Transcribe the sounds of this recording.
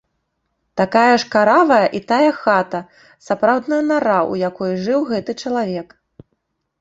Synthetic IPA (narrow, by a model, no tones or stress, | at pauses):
t̪akajɐʂkaɾavɐjɐʔit̪ajɐxat̪ɐ | sapɾawd̪nɐjɐnaɾaʔṵjakɔjʐɨwɣɛt̪ɨt͡ʂɐlˠavʲɛk